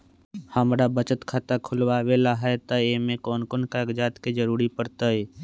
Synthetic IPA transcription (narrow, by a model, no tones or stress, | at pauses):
həmɾabət͡ʃət̪kʰat̪akʰʊlwaːwelaɦɛet̪əemẽkɔːnkoːnkaːɡd͡ʒaːt̪ked͡ʒəɾuːɾipəɾt̪əe